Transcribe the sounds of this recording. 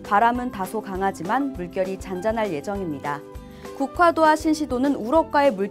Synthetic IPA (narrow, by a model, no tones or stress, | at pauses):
paɾamɯntasʰokaŋɦad͡ʑimanmuɭk͈jʌɾit͡ɕand͡ʑanɦaɭje̞d͡ʑʌŋimɲida | kukʰwadoaɕʰinɕʰidonɯnuɾʌp̚k͈wae̞muɭ